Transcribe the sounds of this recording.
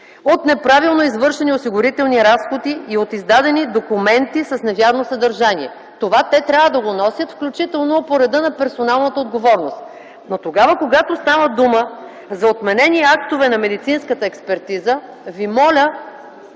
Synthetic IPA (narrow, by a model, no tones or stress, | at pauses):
ot̪nɛpɾavilˠnoizvɤɾʃɛniosiɡʊɾit̪ɛlˠniɾasxod̪iːot̪izd̪ad̪ɛnid̪okumɛnt̪isɐsnɛvjaɾnosɐd̪ɐɾʒaniɛ | t̪ovat̪ɛt̪ɾʲavəd̪ɐɡonɔsʲjət̪fklʲut͡ʃit̪ɛlˠnopoɾɛd̪ɤnɐpɛɾsonalˠnət̪əod̪ɡovɔɾnost̪ | not̪oɡavəkoɡat̪ost̪avəd̪umə | zɐot̪mɛnɛniakt̪ovɛnɐmɛd̪it̪sinskət̪əɛkspɛɾt̪izə | vimɔlʲə